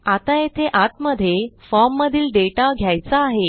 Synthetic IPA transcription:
at̪ajet̪ʰeʔat̪məd̪ʱːjefɔɾmːəd̪ʱiːlɖeʈaɡʱjajt͡saːɦe

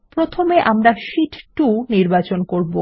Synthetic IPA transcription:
pɾot̪ʰomeʔamɾaʃiʈʈuniɾbat͡ɕonkoɾbo

